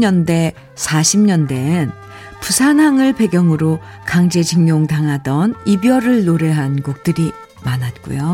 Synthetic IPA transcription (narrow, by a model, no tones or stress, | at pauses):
ɲʌnde̞ | sʰaɕʰimɲʌnde̞n | pusʰanɦaŋɯɭpe̞ɡjʌŋɯɾo | kaŋd͡ʑe̞d͡ʑɯŋɲoŋtaŋɦadʌnibjʌɾɯɭːoɾe̞ɦanɡuk̚t͈ɯɾi | manɦat̚k͈ṵjo